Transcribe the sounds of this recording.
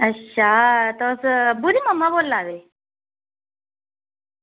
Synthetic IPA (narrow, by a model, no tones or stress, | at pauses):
əɕʰat̪ɔsbud̪ʱiməmːabollaɡli